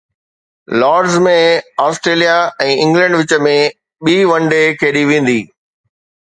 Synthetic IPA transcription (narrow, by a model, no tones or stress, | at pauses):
lɔːɖzmẽaːsʈɾeːlijaɛ̃ːɪ̃ŋɡlə̃ɳɖʋɪt͡ɕə̆mẽ | ɓiːʋɐ̃ɳɖekʰeːɗiʋẽːn̆d̪iː